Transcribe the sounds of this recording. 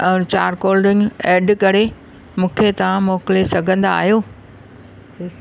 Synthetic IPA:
t͡ɕaːɾkoːlɖɪ̃nɡeːɖkɐɾe | mũːkʰet̪ɐʋ̤ãmoːkɪlesɐɡʱə̃nd̪a̰ːɦijoː

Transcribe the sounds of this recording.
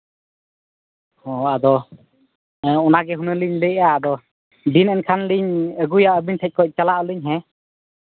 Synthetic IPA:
hɔad̪ɔ | ɔnaɡɛɦunəliɲləaːd̪ɔ | dinɛnkʰanliɲəɡujaʔəbiɲtʰɛc̚kɔc̚t͡ʃalaʔəlɯɲɦɛ

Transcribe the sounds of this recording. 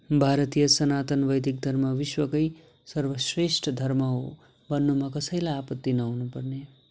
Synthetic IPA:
bʱaɾʌt̪ijʌsʌnat̪ʌnʋʌjd̪ʱik̚d̪ʱʌɾmʌʋiswʌkʌj | sʌɾwʌsɾesʈʰʌd̪ʱʌɾmʌɦo | bʌnːumʌkʌsʌjlaapʌt̪ːinʌawnupʌrne

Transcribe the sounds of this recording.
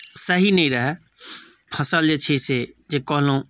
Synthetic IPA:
səɦinəɦĩɾəɦɛ | pʰəsəld͡ʒet͡ʃʰesed͡ʒeːkɔɦlõː

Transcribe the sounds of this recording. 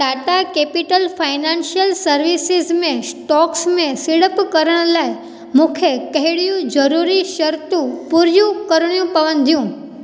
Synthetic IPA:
ʈaːʈakeːpɪʈəlfaːɪnãːnʃijəlsɐɾʋisɪzmẽsʈɔːksmẽsɪɽəpkɐɾəɽ̃laːɪ | mũːkʰekɐɦɪɽijũd͡ʑɐɾuːɾiʃɐɾt̪ũpuɾjũkɐɾɽ̃ijũpɐʋə̃nd̪ʱijũː

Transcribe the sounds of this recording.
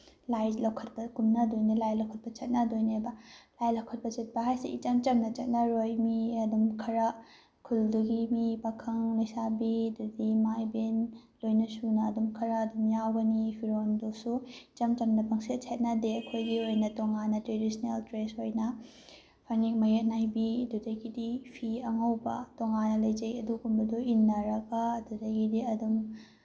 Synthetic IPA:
lajlɐwkʰɐt̚bɐkumnɐdojnilajlɐwkʰɐt̚bɐt͡ʃɐt̚nɐdojnebɐlajlɐwkʰɐt̚pɐt͡ʃɐt̚bɐɦajsḭʔḭt͡ʃɐmt͡ʃɐmnɐt͡ʃɐt̚nɐɾojmiɐdumkʰɐɾɐ | kʰulduɡimipɐkʰɐŋlojsabidudimajbenlojnɐsunɐːdumkʰɐɾaːdumjawɡɐnipʰiɾondosut͡ʃɐmt͡ʃɐmnɐpʰɐŋset̚t͡ʃʰet̚nɐdeɐkʰojɡiojnɐtoŋanɐtɾedisneltɾesojnɐ | pʰaniŋmɐjet̚najbiɐdudɐɡidipʰiɐŋawbɐ̰toŋanɐlɐjd͡ʒɐjɐdukunbɐduinːɐɾɐkaːdudɐɡidiɐdum

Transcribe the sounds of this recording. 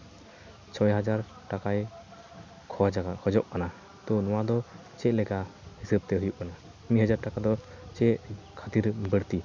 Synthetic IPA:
t͡ʃʰɔjɦad͡ʒaɾ | ʈakaj | kʰɔakʰɔd͡ʒɔʔkana | t̪ɔnɔwad̪ɔ | t͡ʃɛʔ̚lɛɡahisəb̚t̪ɛɦujuʔkana | mihad͡ʒaɾʈakad̪ɔt͡ʃɛʔkʰat̪iɾbəɽt̪i

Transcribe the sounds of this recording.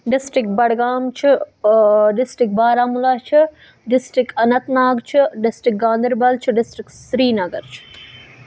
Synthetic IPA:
ɖɪsʈɾɪkbɐɽɡaːmt͡ʃʰi | ɖɪsʈik̚baːɾaːmulaːt͡ʃʰi | ɖɪsʈɾikɐnɐt̪naːɡt͡ʃʰiɖɪsʈɾɪk̚ɡãːnd̪ɪɾbɐlt͡ʃʰiɖɪsʈɾiksɾiːnɐɡɐɾt͡ʃʰi̥

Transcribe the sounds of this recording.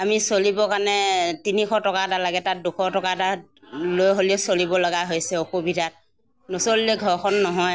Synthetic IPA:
amisolibɔkanɛtinikʰɔtɔkatalaɡɛtat̚dukʰɔtɔkata | lojɦoliʊsolibɔlɔɡaɦojsɛoxobʱitat̚ | nosolːeɡʱɔɹkʰɔnːɔɦɔj

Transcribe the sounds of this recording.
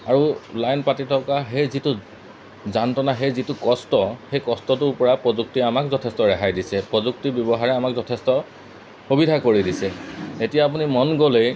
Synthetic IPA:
aɹulajnpatitʰɔkaɦejzitʊ | zantɔnaɦejzitʊkɔstɔxejkɔstɔtʊɹpɔɹapɹɔzuk̚tiamakzɔtʰestɔɹɛɦajdisɛpɹɔzuk̚tibjɔbɔɦaɹɛamak̚zɔtʰɛstɔ | xubidʱakoɹidisɛetijaːpunimɔnɡolej

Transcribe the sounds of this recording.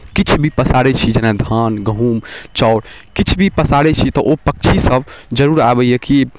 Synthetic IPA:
kit͡ʃʰbʱipəsaɽɛt͡ʃʰid͡ʒɛnad̪ʱanɡəɦumt͡ʃɔːɾ | kit͡ʃʰbʱipəsaɽɛt͡ʃʰit̪ɔʔopək̚t͡ʃʰisəbʱd͡ʒəɾuɾabɛjɛki

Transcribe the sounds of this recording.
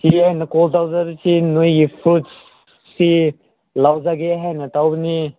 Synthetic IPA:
siajnɐkɔltawzaɾisinojɡipʰut | si | lawzaɡeɦajnɐtawbni

